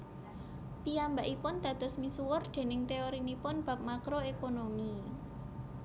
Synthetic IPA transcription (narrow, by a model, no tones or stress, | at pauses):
piambaʔipʊnd̪̥a̤d̪̥ɔ̤smisuwʊrd̪̥e̤nɪŋt̪eoɾinipʊnb̥a̤p̚makɾoekonomi